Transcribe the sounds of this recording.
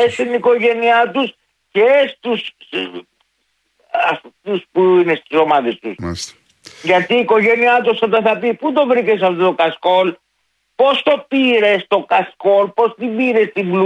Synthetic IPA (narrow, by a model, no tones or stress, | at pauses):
esiniko̞ʝe̞niɐt̪us | cest̪us | ɐft̪uspuinest̪iso̞mɐðe̞st̪usst̪ | ʝɐt̪iːko̞ʝe̞niɐt̪usɐt̪ɐθɐpipud̪o̞vɾice̞s̬ɐft̪ot̪o̞kɐsko̞l | po̞st̪o̞piɾe̞st̪o̞kɐsko̞lpo̞st̪ibiɾe̞st̪ibl